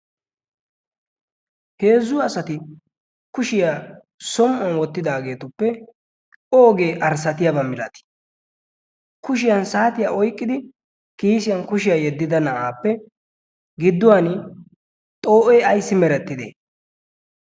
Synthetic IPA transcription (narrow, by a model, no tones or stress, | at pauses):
he̞ːzːʊɐsɐt̪ɪ | kʊʃɪjaː | sɔmʔɔnwɔt̪ːɪd̪aːɡe̞ːt̪ʊpːɛ | ʔoːɡe̞ːʔɐɾsɐt̪ɪjabɐmɪlɐt̪ɪ̥ | kʊʃɪjansaːt̪ɪjaːʔɔjkʼːɪd̪ɪ | kiːsɪjɐnkʊʃɪjaːjɛd̪ːɪd̪ɐnɐʔaːpːɛ | ɡɪd̪ːʊwanɪ | t̪ʼo̞ːʔɛːɐjsːɪmɛɾɛt̪ːɪd̪ḛː